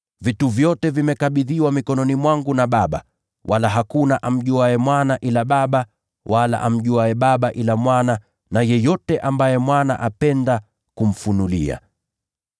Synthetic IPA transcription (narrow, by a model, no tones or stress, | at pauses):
vituvjɔtɛvimɛkaɓiðiwamikɔnɔnimwaŋɡunaɓaɓa̰ | walaɦakunaʔam̩ʄuaɛmwanaʔilaɓaɓa | wʔala̰ʔam̩ʄuaɛɓaɓaʔilamwana | najɛjɔtɛʔambajɛmwana̰ʔapɛnda | kum̩funulḭa̰